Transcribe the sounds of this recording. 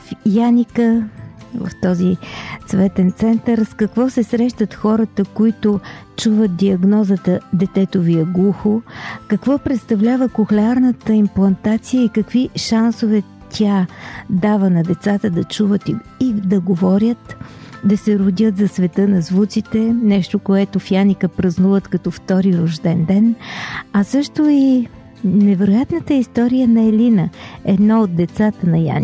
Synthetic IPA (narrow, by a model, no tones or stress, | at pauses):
fjanʲikəvə̰ft̪ɔzit̪svɛt̪ɛnt̪sɛnt̪əɾskɐkvɔsɛsɾɛʃt̪ət̪xɔɾət̪əkoit̪ʊt͡ʃuvət̪̚d̪iɐɡnɔzət̪əd̪ɛt̪ɛt̪oviəɡlˠuxʊkɐkvɔpɾɛt̪st̪ɐvlʲavəkʊxlɛaɾnət̪əimplˠɐnt̪at̪sijəikɐkviʃansovɛ | t̪ʲʰad̪avənɐd̪ɛt̪sat̪əd̪ɐt͡ʃuvət̪i | id̪ɐɡovɔɾʲət̪ | d̪ɐsɛɾʊd̪ʲət̪zɐsvɛt̪ɤnɐzvut͡ʃ̪it̪ɛnɛʃt̪okoɛt̪ofjanʲikəpɾɐznuvət̪kɐt̪ɔft̪ɔɾiɾoʒd̪ɛnd̪ɛnɐsɤʃt̪oi | nɛvɛɾojat̪nət̪əist̪ɔɾijənɐɛlinəɛd̪naod̪̚d̪ɛt̪sat̪ənɐja̰ni